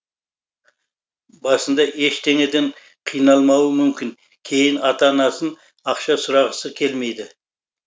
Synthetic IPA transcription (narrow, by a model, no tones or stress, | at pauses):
bɑsənd̪ɑʔe̞ʃt̪ʰeŋed̪e̞ɴ | qʰijnɑlˠmɑwəmʏmkʲɪŋ | kʲʰe̞jɪnɑt̪ɑnɑsən | ɑqʃɑsʊɾɑʁəsəkʲʰe̞lme̞jd̪ɪ